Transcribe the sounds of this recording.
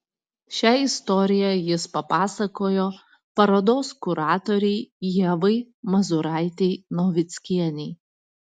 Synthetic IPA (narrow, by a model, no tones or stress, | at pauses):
ʃʲæːɪst̪ɔɾʲɪjɛjɪspɐpɑːsɐkoːjoː | pɐɾɐd̪oːskʊɾɑːt̪ɔɾʲɛɪjiɛʋɐɪ | mɐzʊɾɑˑɪt̪ʲɛɪnɔːʋʲɪt̪sʲkʲiɛnʲɛɪ